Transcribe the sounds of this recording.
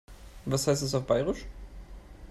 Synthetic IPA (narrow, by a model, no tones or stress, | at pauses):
vashaɪstɛs̬aʊfb̥aɪʁɪʃ